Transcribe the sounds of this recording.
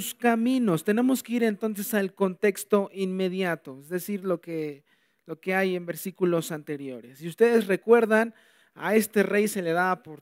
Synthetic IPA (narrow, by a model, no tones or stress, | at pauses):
skamĩno̞st̪e̞ne̞mo̞skeiɾe̞nt̪o̞nse̞salko̞nt̪e̞kst̪o̞ʔinme̞ðjat̪o̞ezðe̞siɾloke | lo̞ke̞aje̞mbe̞ɾsikulo̞sant̪e̞ɾjo̞ɾesːiust̪e̞ðe̞sre̞kwe̞ɾðan | a̰e̞st̪e̞re̞jse̞le̞ðaːpoɾ